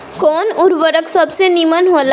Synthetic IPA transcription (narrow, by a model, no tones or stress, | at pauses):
kɔːnʊɾʋəɾəksɐbsenimənɦoːl